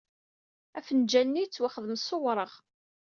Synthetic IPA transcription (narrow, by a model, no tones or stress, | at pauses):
æfənd͡ʒælnit͡sːwaχəðəmsˤowɾˤəʁ